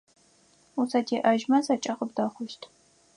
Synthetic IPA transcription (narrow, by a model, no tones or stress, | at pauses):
usʰɐtʰeːʔɐʒmɐzɐt͡ʃʼɐqəp̚dɐχʷʊʃtʰ